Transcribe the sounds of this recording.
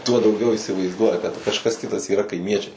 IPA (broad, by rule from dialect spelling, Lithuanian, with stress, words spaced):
tuɔ dɐʊˈɡʲɛʊ iːsʲɪʋɐɪzˈduɔjɛ kɐt kɐʃˈkɐs ˈkʲɪtɐs iːˈrɐ kɐɪˈmʲiɛt͡ʃʲɛɪ